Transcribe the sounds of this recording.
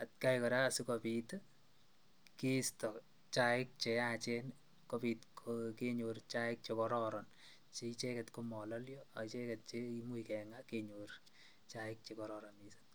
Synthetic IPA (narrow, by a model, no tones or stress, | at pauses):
at̚kajkɔɾaasukopit | kistɔ | t͡ʃaɪk̚t͡ʃejat͡ʃɛn | kopitkʰokeɲoɾt͡ʃaɪk̚t͡ʃekɔɾɔɾɔn | t͡ʃeit͡ʃɛkɛtkomɔlɔljɔat͡ʃɛkɛt̚t͡ʃeimuikɛŋakeɲoɾ | t͡ʃaɪk̚t͡ʃekɔɾɔɾɔmise̥t